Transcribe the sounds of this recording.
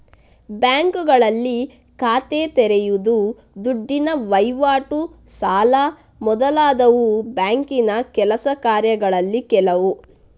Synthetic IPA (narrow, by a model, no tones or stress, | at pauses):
bjaːŋkuɡɐɭɐlːi | kaːt̪eːt̪ɛɾejud̪u | d̪uɖːinɐʋɐjʋaːʈu | saːla | mɔd̪ɐlaːd̪ɐʋubjaːŋkinɐkɛlɐsɐkaːɾjɐɡɐɭɐlːikɛlɐʋu